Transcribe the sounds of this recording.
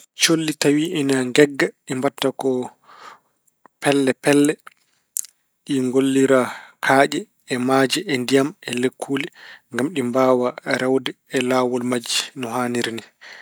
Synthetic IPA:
t͡ʃolːitawiʔɛnaŋɡɛɡːaɗimbatːakɔ | pɛlːɛpɛlːɛ | ɗiŋɡolːiɾakʰaːʔɛ | ɛmaːd͡ʒiʔɛndijamɛlekʰːulɛŋɡamɗimbaːwaɾɛwdɛɛlaːwɔlmad͡ʒinɔɦaniɾni

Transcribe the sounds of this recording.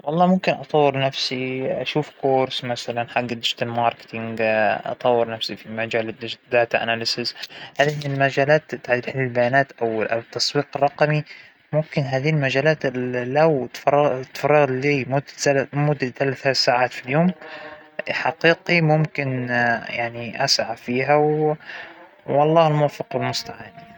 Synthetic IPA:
wɑlˤːɑːmʊmkɪnʔɑt̪ˤɑwːɪɾnafsiʔaʃuːfkoːɾsmasalanħaɡːɪd̪ɪd͡ʒt̪almɑːɾˤkɪ̥t̪ɪŋɡʔɑ̰t̪ˤɑwːɪɾnafsifimad͡ʒaːld̪ɪd͡ʒd̪aːt̪aʔa̰nalɪsɪzhaːðimɪlmad͡ʒaːlaːt̪t̪ːaʕd̪ilħɪlːɪlbajaːnaːt̪ʔawlʔawɪt̪ːɑsˤwiːqɪrˤːɑqmi | mʊmkɪnɦaːðilmad͡ʒaːlaːt̪lawt̪ːt̪ːfɑrˤːɑɣliːmʊd̪ːmʊd̪ːaθalaθalsaːʕaːt̪filjoːm | ħaqiːqimʊmkɪnjaʕniʔa̰sʕafiːɦaw | ɑlˤːɑːhɪlmʊwafɪqwɪlmʊst̪aʕaːni

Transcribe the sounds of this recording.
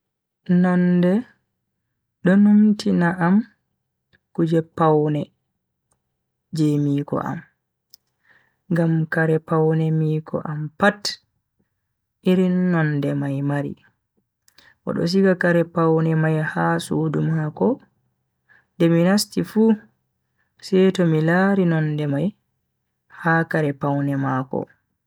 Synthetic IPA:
nɔndɛ | ɗɔnumtinaʔam | kud͡ʒɛpawnɛ | d͡ʒemiːkɔ̰ʔa̰m | ŋɡamkaɾɛpawnɛmiːkʰɔ̰ʔampat | ʔiɾinːɔndɛmajmaɾḭ | ʔɔ̰ɗɔ̰s̬ikakaɾɛpawnɛmajhasuːdumakɔ | ndɛminastifu | sɛtɔmilaɾinɔndɛmaj | haːkaɾɛpawnɛmaːkɔ̰

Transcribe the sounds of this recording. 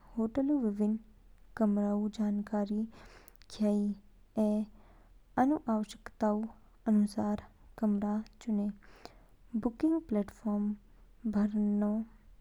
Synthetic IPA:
hoːʈəluʋɪʋɪnkəmɾaːud͡ʒaːnkaːɾi | kʰjaːi | e | ənuʔaːʋəʃə̥kt̪aːu | ənusaːɾkəmɾat͡ʃʊne | bʊkɪ̃ŋɡplɛːʈfʰɔːɾm | bʱəɾno

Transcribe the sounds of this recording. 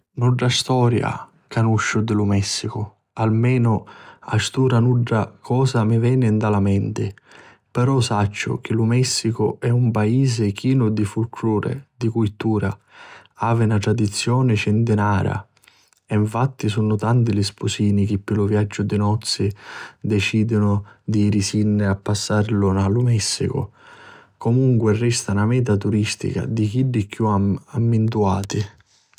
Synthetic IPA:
nuɖɾast̪ɔːɾja̰ | kanuʃːʊd̪ɪlʊmɛsːikʊ | almɛːnʊa̰st̪uːɾanuɖːakʰɔːsamɪvɛːnɪnd̪alamɛnt̪ɪ | pɛɾɔsat͡ʃːʊ̰k̟ɪlʊmɛsːikʊɛumpaiːs̬ɪk̟iːnʊd̪ifulkʰluːɾḛd̪ikujt̪uːɾa | aːvɪnat̪ɾad̪it̪sːjɔːnɪt͡ʃɪnt̪ɪnaːɾa̰ | ɛiɱfat̪ːisunʊt̪ant̪̬ɪlɪspusiːnik̟ɪpːɪlʊvjad͡ʒːʊd̪ɪnɔt̪sːɪd̪ɛt͡ʃiːd̪ʊnʊd̪iɾisinːɪapːasːarlʊnalʊmɛsːḭkʊ̰ | komuŋkwɪrɛst̪anamɛːt̪̬at̪uɾist̪ḭka̰d̪ik̟iɖːikjuaamːɪnt̪̬uaːt̪ɪ

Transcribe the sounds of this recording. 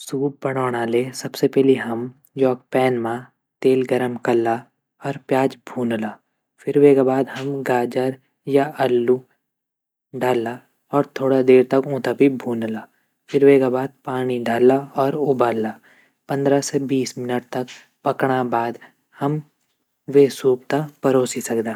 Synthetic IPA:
suːp̚bəɽ̃ɔːɽ̃aːleːsɐbsepɛɦliɦɐm | jɔːk̚pɛːnmã | t̪eːlɡəɾəmkɐlːa | ɔːɾpjaːd͡ʒbʱũːnlaː | fʰɪɾweːɡabaːd̪ɦɐmɡaːd͡ʒəɾ | jaɐlːu | ɖaːlːa | ɔːɾt̪ʰoːɽad̪eːɾt̪ɐkõːt̪abʱibʱũːnlaː | fʰɪɾʋeːkabaːd̪̚paːñiɖaːlaɔːɾʊbaːlːaː | pɐ̃nd̪ɾasebiːsmɪnəʈ̚t̪ɐk | pɐkɽ̃abaːd̪ | hɐm | ʋesuːp̚t̪apɐɾoːsisɐkd̪aː

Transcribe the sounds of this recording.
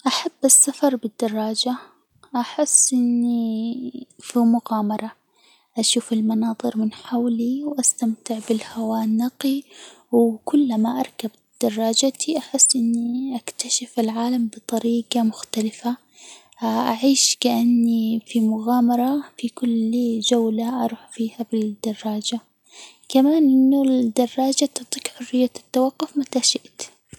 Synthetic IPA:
ʔaħabːasːafɑɾˤbɪd̪ːɑrˤːɑːd͡ʒa | ʔaħɪsːʔɪnːi | fimʊɣaːmɑɾˤɑ | ʔaʃuːfɪlmɑnɑːðˤɨɾmɪnħawliwʔast̪amt̪ɪʕbɪlhawaːnːaqi | wkʊlːamaʔɑɾˤkab | d̪̥ɑrˤːɑːd͡ʒat̪ʰiʔaħɪsːʔɪnːiʔakt̪aʃafɪlʕaːlambɨt̪ˤɑɾiːɡɑmʊxt̪alɪfa | ʔaʕiːʃkaʔanːifimʊɣaːmɑɾˤɑfikʊld͡ʒawlaʔɑɾˤuːħfiːhabɪd̪̥ɑrˤːɑːd͡ʒa | kamaːnʔɪnːud̪ɑrˤːɑːd͡ʒat̪ɑt̪ˤiːkħʊrːɪjːat̪ːawɑqːʊfmat̪aʃɪʔt̪

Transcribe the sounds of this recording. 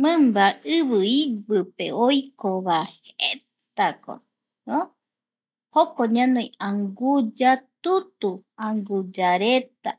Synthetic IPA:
mɨ̃mbaɨβɨiβɨpḛojkoβahhett̪ako̰ | no | hokoɲãnõjaŋɡud͡ʒat̪ut̪uãŋɡud͡ʒaɾet̪a

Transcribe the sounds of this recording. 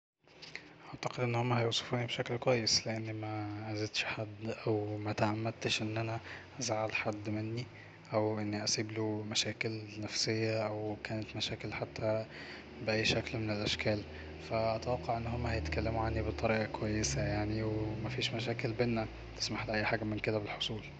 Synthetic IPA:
ʔaʕt̪ḁqed̪ʔenːhomːæhæjowsˤɑ̥fuːnibʃæklkwæjːesleʔanːmæʔæzet̪ʃħad̪ːʔæwmæt̪aʔamːæd̪̚t̪ʃʔenːʔænæʔæzʕalħad̪ːmɪnːi | ʔæwʔɪnːiʔæsiːblomæʃæːkɪlnæfsejːæʔæwkæːnæt̪mæʃæːkelħat̪ʰːæ | beʔæjːʃæklmenelʔæʃkæːl | fæʔæt̪æwɑqːɑʕʔenːhomːæhæjet̪kælːemuʕanːibet̪ˤɑɾiːʔɑkwæjːesæjaʕniwemæfiːʃmæʃ̬æːkelbenːæ | t̪e̥smaħlʔæjːħaːɡæmenked̪æbelħosˤuːl

